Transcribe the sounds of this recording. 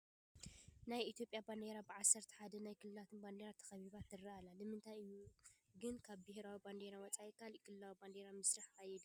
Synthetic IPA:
najit̪ʰjo̞pʼjaband̪eɾabɨʕasːɐɾt̪ʰɐ̥ħad̪ɐnajkʰɨlɨlat̪ʰɨnband̪eɾat̪ʰɐ̥xɐβiβat̪ʰːɨraalalɨmɨnt̪ʰajɨjːuɡɨnkʰaβbɪhɾawiband̪eɾawɔt͡sʼajɛkʰalkʰɨlɨlawiband̪eɾamɨsɾaħajɛd̪

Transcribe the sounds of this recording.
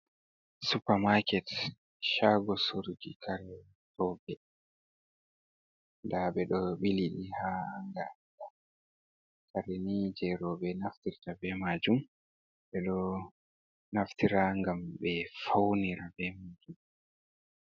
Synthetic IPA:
supamakɛt | ʃaɡɔsoɾd͡ʒikʰaɾɛ | tɔbɛ | ndaɓɛɗɔɓiliɗihaaŋɡada | kaɾɛnid͡ʒɛɾɔbɛnaftiɾtabɛmad͡ʒum | ɓɛɗɔ | naftiɾaŋɡambɛfawniɾabɛmaːd͡ʒum

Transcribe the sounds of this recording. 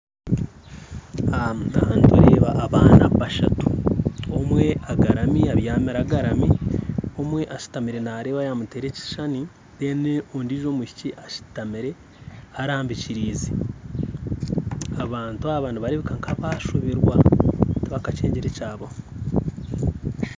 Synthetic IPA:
amahaːntṵɾeːβa̰ʔːβaːnaβaʃa̰tu̥omwe̞aɡaɾamiaβjaːmiɾaɡaɾamio̞mwe̞ʔaʃi̥tamiɾe̞naɾeːβajamuteːɾeci̥ʃani | deneondiʒo̞muci̥ciʔaʃi̥tamiɾe̞ | aɾaːmbiciɾiːzi̥ | aβaːntuaβaːndiβaɾiβikaŋkʰaβaʃuβiɾwatβakat͡ʃeːɲɟeɾecaːβo

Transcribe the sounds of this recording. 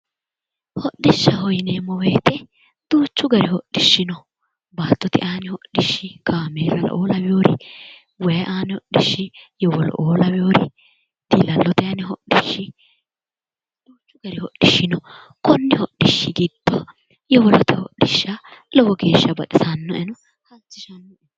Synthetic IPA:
hɔɗːɪʃːɐɦɔjnemɔweːt̪ɛ | d̪̥uːt͡ʃːʊɡɐɾɪhɔɗːɪʃːɪnɔ | baːt̪ːɔt̪ɪʔaːnɪhɔɗɪʃːɪkaːmeːɾɐlɐ̰ʔoːlɐwjoːɾɪ̰ | wɛjɐʔaːnɪhɔɗːɪʃːɪjɔwɔlɔ̰ʔoːlɐwɪjoːɾɪ | d̪̥ilɐlːɔt̪ɛɐnɪɦɔɗɪʃːɪ | d̪̥uːt͡ʃːʊɡɐɾɪhɔɗːɪʃːɪnɔ | kɔnːɪhɔɗːɪʃːɪɡɪd̪ːɔ | jɛwɔlɔt̪ɛhɔ̰ɗːɪʃːɐlɔwɔɡe̞ːʃːɐbɐt̪ʼɪsɐnːɔʔɛnɔ | hɐt͡ʃːɪʃɐnːɔɛn

